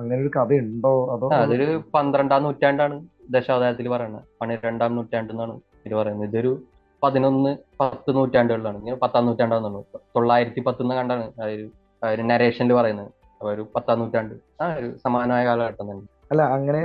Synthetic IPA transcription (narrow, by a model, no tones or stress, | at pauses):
ɐŋːɐneoɾukɐðɐuɳɖoːɐðoaɐðo̞ɾupɐnd̪ɾɐɳɖaːmnːuːtʲːaːɳɖaːɳɨd̪eɕaːʋɐd̪aːɾɐt̪̬ːilpɐrɐjuɳːɐ̰pɐɳiɾe̞ɳɖaːmnuːtːaːɳɖonːaːɳɨ | ilɨpɐrɐjunːɐiðo̞ɾu | pɐðino̞nːɨpɐt̪ːɨnuːtːaːɳɖɨɣɐɭlːaːɳŋːɐpɐt̪ːaːmnːuːtːaːɳɖaːmnuɳːut̪o̞ɭːaːjiɾɐt̪ːipɐt̪ːuonːɨkɐɳɖaːɳɨaɾu | ɾunɐɾe̞ːʂɐnilɨpɐrɐjunːɐðɨ | ɐpoːoɾupɐt̪ːaːnːuːtːaːɳɖɨ | aːoɾusɐmaːnɐmaːjɐkaːlɐkɐʈːɐnːɐnː | ɐlːɐɐŋːɐne